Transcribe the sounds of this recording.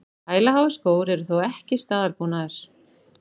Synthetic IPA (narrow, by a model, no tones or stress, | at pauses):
haːjlaɦaːwvɪskoːwɾɛɾʏθowɛhcɪst̪aːðaɾpuːnaðɪɾ̥